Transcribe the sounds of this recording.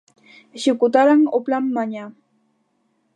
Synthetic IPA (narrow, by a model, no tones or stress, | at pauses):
ʃʊkʊt̪aɾaŋoplamːaɲa